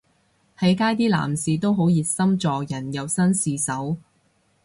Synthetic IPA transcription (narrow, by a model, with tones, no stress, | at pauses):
hɐ˨˥jkaː˥jt̪iː˥la̰ː˨˩msiː˨t̪o˥wɦo˨˥wjiː˨t̚sɐ˥mt͡sɔː˨jɐ˨˩njɐ˨˧wsɐ˥nsiː˨sɐ˨˥w